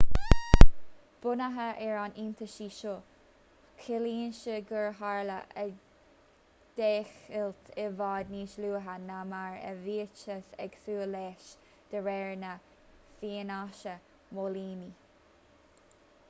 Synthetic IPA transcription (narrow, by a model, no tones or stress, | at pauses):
b̥ʊnəɦəʔɛɹanint̪ʰəʃiːʃo | kʰɪliːnʃəɡəɹɦaɹlə̰ʔə | d̪̥eːxɪlt̪ʰɪvɑːd̪niːʃluːɦənamaɹə̰viːt͡ʃəsɛɡ̥suːlɛʃ | d̪̥əɹɛɹnə | fiːnaʃə | moliːni